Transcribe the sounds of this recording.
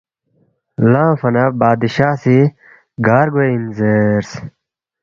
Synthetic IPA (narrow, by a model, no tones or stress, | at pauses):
lãːfɐnɐbaːd̪iɕaːsi | ɡaːɾɡoinzeɾs